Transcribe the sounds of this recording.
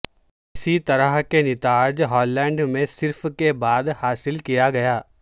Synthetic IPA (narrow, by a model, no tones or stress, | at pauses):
ɪsit̪ɐɾəɦkenɪt̪aːd͡ʒɦɔːlːɛ̃ːɳɖmẽsɪɾfkebaːd̪haːsɪlkijaɡɐjaː